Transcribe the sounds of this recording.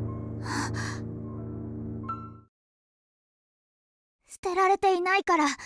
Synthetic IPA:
a | sɨ̥t̪e̞ɾaɾe̞t̪e̞inaikaɾa

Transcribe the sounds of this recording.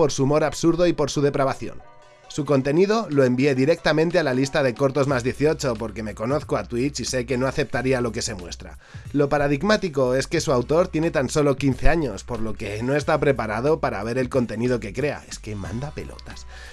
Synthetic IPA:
po̞ɾsumo̞ɾaβsuɾðo̞ipo̞ɾsuð̞e̞pɾaβaθjo̰n | suko̞nt̪e̞nið̞o̞lo̞e̞mbie̞ðiɾe̞k̚t̪amẽnt̪e̞alalist̪aðe̞ko̞ɾt̪o̞zmazðjeθio̞t͡ʃo̞po̞ɾke̞me̞ko̞no̞θkoat̪wit͡ʃise̞ke̞noaθe̞p̚t̪aɾialo̞ke̞se̞mwe̞̰st̪ɾa̰ | lo̞paɾað̞iɣmat̪iko̞e̞ske̞suawt̪o̞ɾt̪je̞ne̞t̪anso̞lo̞kin̟θe̞aɲo̞spo̞ɾlo̞ke̞no̞e̞st̪apɾe̞paɾað̞o̞paɾa̰β̞e̞ɾe̞lko̞nt̪e̞nið̞o̞kekɾe̞a̰e̞ske̞mã̰nd̪ape̞̰lo̰t̪as

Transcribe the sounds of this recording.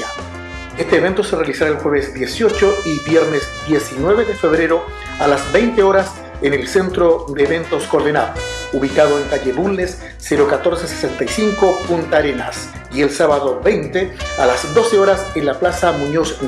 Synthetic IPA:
est̪e̞ːβe̞nt̪o̞serealisaɾaelxweβezd̪jesjo̞t͡ʃo̞iβjeɾnezd̪je̞sinwe̞βeðefe̞βɾe̞ɾo | alazbe̞jnt̪eo̞ɾas | enelse̞nt̪ɾoðeːβe̞nt̪o̞skoɾðena̰ðouβikaðoeŋk̪aʎeβulnesː | eɾokat̪o̞ɾsese̥sent̪ajsiŋko̞punt̪aɾenas | ie̞lsaβaðobe̞jnt̪ealazd̪o̞seoɾasenlaplasamũɲos

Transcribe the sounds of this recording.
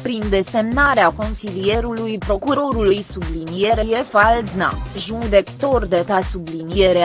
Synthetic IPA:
pɾind̪e̞se̞mnaɾeako̞nsilije̞ɾulujpɾo̞kuɾo̞ɾulujsublinije̞ɾeje̞faldzna̰ʒud̪e̞kt̪o̞rd̪e̞t̪asublinije̞ɾe

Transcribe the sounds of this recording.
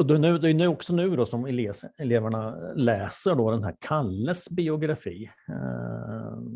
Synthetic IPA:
ɔd̪ɛnʉ̟ːd̪ɛæjɵnʉ̟jːɔksɔnʉ̟ːd̪ɔsɔmɛleːsɛleːvæɳalɛːsəɖɔd̪ɛnɦæɾkʰalːəsbɪʊɡɾafḭː

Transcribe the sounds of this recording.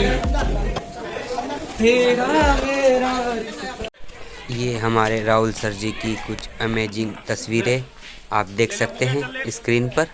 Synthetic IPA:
peːɾabeːɾa | jeːɦɐmaːɾeɾaːɦʊlsɐɾd͡ʒikikʊt͡ʃʰɐmeːd͡ʒɪ̃ŋɡt̪ɐswiːɾẽ | aːpd̪eːkʰsɐk̚t̪eɦɛ̃ɪskɾiːnpɐɾ

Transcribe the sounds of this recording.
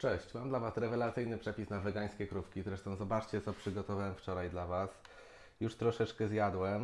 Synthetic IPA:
t͡ʂɛɕt͡ɕmamd̪lavasɾɛvɛlat̪sɘjnɘpʂɛpʲisnavɛɡaj̃skʲɛkɾupkʲizɾɛʂt̪ɔ̃w̃zɔbat͡ʂt͡ɕɛt̪sɔpʂɘɡɔt̪ɔvawɛmft͡ʂɔɾajd̪lavas | juʂt̪ɾɔʂɛt͡ʂkɛzjad̪wɛm

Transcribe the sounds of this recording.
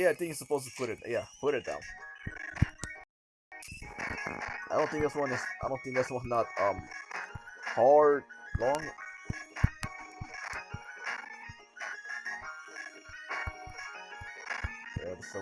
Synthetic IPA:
jædɪ̃njɨsəpoʊz̥tə̥pʰʊɾɨt̪̚jæpʰʊɾɨt̪̚d̪ã̰ʊ̃n | aɪdõnθɪ̃ŋkðatswɑ̃nɨsaɪdõʊ̃nθɪ̃ŋk̚ðætswʌ̃nət̚ʌ̃m | hɑɹd̚lɔ̃ŋ | jæ̰ðəs

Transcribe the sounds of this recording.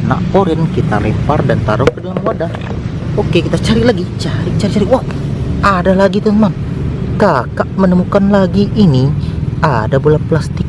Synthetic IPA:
na̰ʔkoɾɪnkit̪aɾimpardant̪aɾʊfkədalamwada | okekit̪at͡ʃaɾiʔlaɡit͡ʃaɾit͡ʃaɾit͡ʃaɾiʔwaadalaɡit̪unmankakaʔmənəmukanlaɡiʔːniadabulaplast̪ɪk̚

